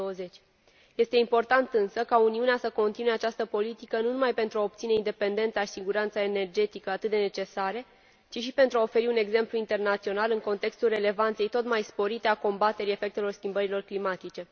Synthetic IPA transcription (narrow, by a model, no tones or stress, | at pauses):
owəze̞t͡ʃʲ | je̞st̪e̞impo̞rt̪ant̪ɨnsəkauniuneasəko̞nt̪inuje̞at͡ʃast̪əpo̞lit̪ikənunumajpe̞nt̪ɾuaop̚t̪sine̞ind̪e̞pe̞nd̪e̞nt̪saʃi̥siɡuɾant̪saene̞rd͡ʒe̞t̪ikəat̪ɨt̪̚d̪e̞ne̞t͡ʃe̞saɾe | t͡ʃiʃipe̞nt̪ɾuaofe̞ɾiune̞ɡze̞mpluint̪e̞rnat̪sio̞nalɨŋko̞nt̪e̞kst̪ulre̞le̞vant̪se̞jt̪o̞t̪majspo̞ɾit̪e̞ako̞mbat̪e̞ɾie̞fe̞k̚t̪e̞lo̞rskʲimbəɾilo̞rklimat̪it͡ʃe̞